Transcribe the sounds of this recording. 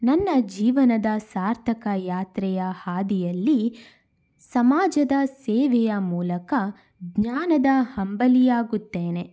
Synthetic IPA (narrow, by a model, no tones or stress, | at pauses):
nɐnːɐd͡ʒiːʋɐnɐd̪ɐsaːɾt̪ʰɐkɐjaːt̪ɾɛjɐhaːd̪ijɐlːi | sɐmaːd͡ʒɐd̪ɐseːʋɛjɐmuːlɐkɐ | ɡɲaːnɐd̪ɐhɐmbɐlijaːɡut̪ːeːne̞